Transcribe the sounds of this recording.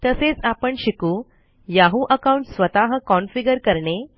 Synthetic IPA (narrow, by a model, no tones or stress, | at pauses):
t̪əset͡sapəɳɕikuː | jaɦuʔəkauɳʈsʋət̪aɦəkɔnfiɡəɾkəɾɳe